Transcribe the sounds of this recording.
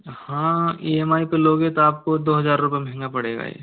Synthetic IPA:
hãːieːmaːipeloːɡɦet̪oaːp̚kod̪oːɦɐzaːɾːʊpemɦɛ̃ŋɡapɐɽḛːɡa̰ːɛ̰ː

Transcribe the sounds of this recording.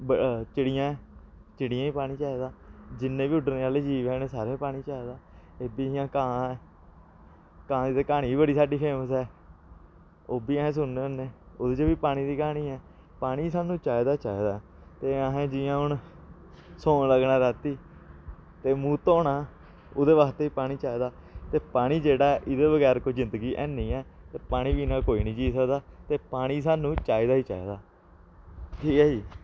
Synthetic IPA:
bət͡ʃɪɽɪjãːɛː | t͡ʃɪɽɪjãːiːpaːɽ̃iːt͡ʃaːed̪aːd͡ʒɪnːẽːʋiːʊɖəɾneːaːleːd͡ʒiːʋɛːneːsaːɾẽːpaːɽ̃ĩːt͡ʃaːed̪aː | eːbiːɪjãːkãːɛː | kãːiːt̪eːkaːniːiːbəɽiːsaːɖiːpʰeːməsɛː | oːbiːaɦẽːs̬ʊnneːənːẽːoːd̪eːt͡ʃəʋiːpaːɽ̃iːd̪iːkaːñiːɛː | paːɽ̃iːsãːnũːt͡ʃaːed̪aːt͡ʃaːed̪aː | t̪eːəɦẽːd͡ʒɪjãːɦʊn | soːnləɡnaːɾaːt̪iː | t̪eːmũːt̪õːnaː | ʊd̪eːʋaːkt̪eːiːpaːɽ̃iːt͡ʃaːiːd̪aːt̪eːpaːɽ̃iːd͡ʒeːɽaːʔɪd̪eːʋəɡɛːɾkoizɪ̃nd̪əɡiːʔɛːnĩːɛːt̪eːpaːɽ̃iːbiːnaːkoːiːnĩːt͡ʃiːsəkd̪aːt̪eːpaːɽ̃iːsaːnũːt͡ʃaːiːd̪aːiːt͡ʃaːḛːd̪aː | ʈʰiːkəːiː

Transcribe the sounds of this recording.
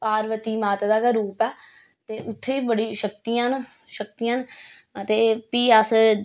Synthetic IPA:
paːɾʋət̪iːmaːt̪ːd̪aːkaɾuːpɛː | t̪eːʊt̪ʰːeːiːbəɽiːʃək̚t̪ijãːn | ʃəkt̪ijãːn | ət̪eːpiːəs

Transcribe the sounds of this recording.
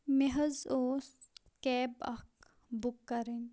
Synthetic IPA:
meɦɐzoːs | kɛːbɐk | bukːɐɾin

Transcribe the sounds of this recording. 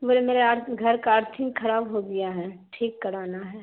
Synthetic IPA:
mʊd͡ʒemeːɾeaːɾɡʱɐɾkaaːɾt̪ʰɪ̃ŋxʰɐɾaːbɦoɡ̪ijaɦɛːʈʰiːkːɐɾaːnaɦɛː

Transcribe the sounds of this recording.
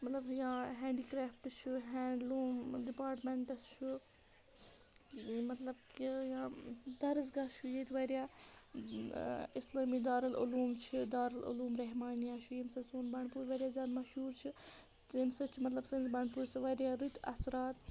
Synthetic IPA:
mɐt̪lɐbjãːɦɛ̃ːɳɖiːkɾeːfʈt͡ʃʰuɦɛːɳɖluːmɖipaːɾʈmeɳʈɐst͡ʃʰu | mɐt̪lɐbkijãːd̪ɐɾɐzɡɐʃʰujeːt̪ʰʋɐɾjaː | islaːmiːd̪aːɾɐlṵluːmt͡ʃʰid̪aːɾɐlṵluːmɾɐɦmaːnjaːt͡ʃʰujimsɐsoːnbɐɳpuːɾʋɐɾʲjaːzjaːd̪mɐʃɦuːɾt͡ʃʰi | timsɐt͡ʃʰimɐt̪lɐbsɐ̃nzbɐɳpuːɾsɐʋɐɾʲjaːɾut̪ʰɐ̰sɾaːt̪

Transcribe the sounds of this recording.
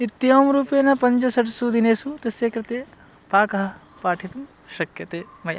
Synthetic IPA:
it̪ːijoːmɾuːpeːnɐpɐɲd͡ʒɐsɐʈsud̪ineːsut̪ɐsjekɾɪt̪eː | paːkɐɦɐ | paːʈʰit̪ɐm | ʃɐkjɐt̪eː | mɐjɐ̰

